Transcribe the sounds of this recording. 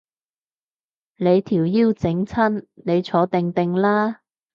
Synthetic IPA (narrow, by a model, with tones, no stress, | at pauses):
ne˨˧jt̪ʰiː˨˩wjiː˥wt͡sɪ˨˥ŋt͡sʰɐ˥nne˨˧jt͡sʰɔː˨˥t̪ɪ˨ŋt̪ɪ˨ŋlaː˥